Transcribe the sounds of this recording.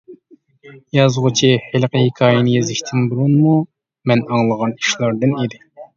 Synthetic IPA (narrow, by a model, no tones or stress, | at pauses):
jɑzʁʊt͡ʃʰihelqʰəhekʰɑːjɪnɪjezɪʃt̪ʰɪnbuɾunmu | mɛnɑŋlˠəʁɑni̥ʃlˠɑɾd̪ɨned̪ɪ